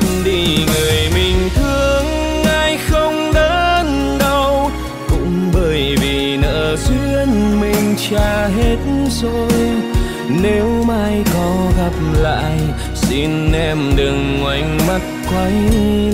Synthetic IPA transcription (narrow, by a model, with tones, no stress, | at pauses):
ɗi˧ŋɨ˨˩əjmï˨˩ŋ̟t̪ʰɨ˧əəŋ | ʔaː˧jxə˧wŋ͡mɗəː˧˦nɗə˧w | kʊ̰˧˥ŋ͡mɓəː˧˩jvi˨˩nə̰ː˧˥zwi˧ənmï˨˩ŋ̟t͡ɕaː˧˩ɦe˦˥t̚nzo˨˧˩j | ne˨˦wmaː˧jkɔ˨˦ɣa˨˩p̚la̰ː˧˨j | si˧nʔɛ˧mɗɨ˨˩ŋːwa˨˩jŋ̟ma˦˥t̚kwa˨˦j